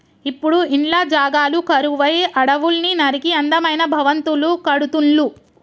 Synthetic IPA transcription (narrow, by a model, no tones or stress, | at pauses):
ipːuɽuiɳlaːd͡ʒaːɡaːlukɐɾuʋɐjʔɐɽɐʋulninɐɾikiɐnd̪ɐmɐjnɐbʱɐʋɐnt̪ulukɐɽut̪uɳlu